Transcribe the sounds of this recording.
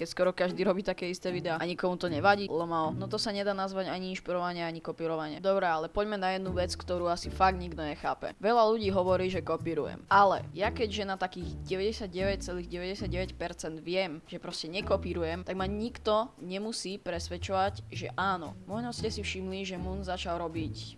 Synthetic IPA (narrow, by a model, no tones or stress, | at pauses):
kɛcskɔɾɔkaʒd̪iːɾɔbiːt̪akɛːist̪ɛːʋid̪ɛaːʔaɲikɔmut̪ɔɲɛʋaɟiːɛlɔmalɔnɔt̪ɔsaɲɛd̪aːnazʋaɟaɲiinʃpiɾɔʋaɲɪaaɲikɔpiːɾɔʋaɲɪad̪ɔbɾɛalɛpɔɟmɛnajɛd̪nuʋɛt͡skt̪ɔɾuːasifaɡ̪̚ɲiɡd̪ɔɲɛxa̰ːpɛ̰ʋɛʎaluɟiːɦɔʋɔɾiːʒɛkɔpiːɾṵjɛ̰mʔalɛ̰jakɛɟʒɛnat̪akiːɣɟɛʋɛɟɛsɪad̪ɟɛʋɛc̚t͡sɛliːɣɟɛʋɛɟɛsɪjad̪̚ɟɛʋɛcpɛɾt͡sɛnd̪ʋɪɛmʒ̥ɛpɾɔscɛɲɛkɔpiːɾujɛmt̪aɡmaɲikt̪ɔɲɛmusiːpɾɛsʋɛt͡ʃɔʋaɟʒɛ̰ʔaːnɔ̰mɔjnɔscɛsifʃimliʒɛmunzat͡ʃalˠɾɔbic